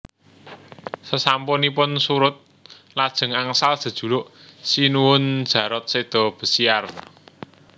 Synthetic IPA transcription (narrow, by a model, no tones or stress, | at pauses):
səsampɔnipʊnsuɾʊt̪̚ | lad̥ʒ̥ə̤ŋaŋsald̥ʒ̥ə̤d̥ʒ̥ṳlʊʔsinuwʊnd̥ʒ̥ä̤ɾɔt̪̚sed̪̥ɔ̤b̥ə̤siar